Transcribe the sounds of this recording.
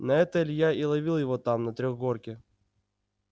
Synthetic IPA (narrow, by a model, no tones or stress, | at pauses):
nɐɛt̪əlʲjailˠɐvʲilˠjɪvot̪amnɐt̪ɾʲoɣɡorkʲɪ